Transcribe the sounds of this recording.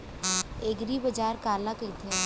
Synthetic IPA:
eːɡɾibəd͡ʒaːɾkaːlakəit̪e

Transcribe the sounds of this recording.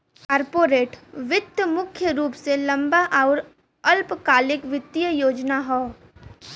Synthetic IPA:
kaːɾpoːɾeːʈʋɪt̪jəmʊkʰjəɾuːpselɐ̃mbaʔaːɾ | ɐlpkaːlɪkʋɪt̪ːijəjoːd͡ʒnaɦoː

